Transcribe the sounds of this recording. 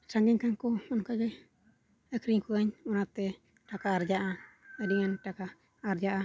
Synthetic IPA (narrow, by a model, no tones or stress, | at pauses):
saŋɡɛɲkaŋkɔɔnkaɡɛ | əkʰɾiŋkuaɲɔnat̪ɛ | ʈakaːɾd͡ʒaʔaədiŋanʈakaː | ɾd͡ʒaʔa